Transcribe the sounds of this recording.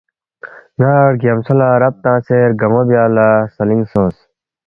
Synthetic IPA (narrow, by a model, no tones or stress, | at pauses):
naːɾɡɐmsɐlaːɾɐp̚t̪ãːseɾɡɐmoːbijaːlasɐliŋsõːs